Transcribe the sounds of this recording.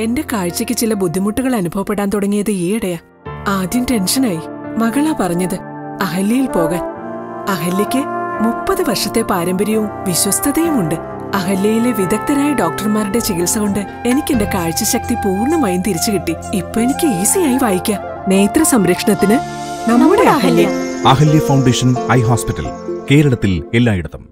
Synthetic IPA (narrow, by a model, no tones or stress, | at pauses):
e̞nde̞kaːɻt͡ɕːɐkʲːɨt͡ɕilɐbud̪ʱːimuʈːuɣɐɭɐnubʱɐʋɐpːe̞ɽːaːnt̪oɽɐŋːijɐðɨiːɐɽɐjaː | aːd̪jɐmte̞nʂɐnaːji | mɐɣɐɭaːpɐrɐɲːɐðɨ | ɐɦɐljɐjilpo̞ːɣaːn | ɐɦɐljɐkʲːɨmupːɐðɨʋɐrʂɐt̪ːe̞paːɾɐmbɐɾjɐjumʋiɕwɐst̪ʰɐðɐjumuɳɖɨ | ɐɦɐljɐjileʋid̪ɐk̚t̪ɐɾaːjiɖo̞ːk̚ʈɐrmaːruɽe̞t͡ɕeɣilsɐɣoɳɖɨ | e̞nikʲːe̞nde̞kaːɻt͡ɕːɐɕɐk̚t̪ipuːrɳɐmaːjumt̪iɾit͡ɕːɨkiʈːi | ipːoːenikʲːɨiːsijaːjiʋaːjikʲːɐ | ne̞ːt̪rɐsɐmɾɐkʂɐɳɐt̪ːinɨ | nɐmːuɽeɐhɐlːjɐɐɦɐljɐfɐwɳɖeːʂɐnɐjɦoːspitːɐ̰lke̞ːɾɐɭɐt̪ːilelːaːjiɽɐðːɐm